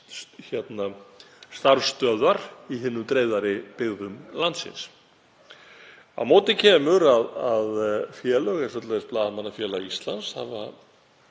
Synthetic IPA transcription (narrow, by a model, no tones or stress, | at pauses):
çjɛt̪nast̪aɾst̪œːðvaɾiɦɪnːʏmt̪ɾeːjðaɾɪpɪɣðʏmlant̪sɪ̰ns | a̰vmoːt̪ɪcʰɛːmʏɾaðaðfjɛːlœɣɛsfœt̪laɛsplaːðamanːafjɛːlaist̪la̰nsha̰va